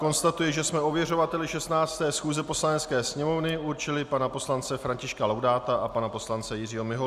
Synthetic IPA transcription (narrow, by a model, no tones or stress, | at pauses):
ko̞nst̪at̪ujɛʒɛsmɛo̞vjɛro̞vat̪ɛlɪʃɛst̪naːt͡st̪ɛːsxuːzɛpo̞slanɛt͡skɛːsɲɛmo̞vnɪʔuɾt͡ʃɪlɪpanapo̞slant͡sɛfɾaɲcɪʃkalowdaːt̪aʔapanapo̞slant͡sɛjɪrɪɦo̞mɪɦo